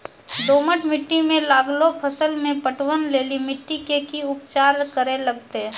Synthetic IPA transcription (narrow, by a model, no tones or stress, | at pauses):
d̪oːməʈmɪʈːimẽlaːɡlopʰəsəlmẽpəʈwənleːlimɪʈːikekiʊp̚t͡ʃaːɾkəɾeləɡ̚t̪e